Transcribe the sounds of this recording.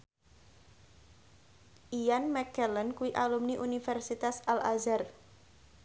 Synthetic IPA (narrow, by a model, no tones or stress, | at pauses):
ʔijanmɛkɛlənkuiʔalumniʔunifɛrsit̪asalazar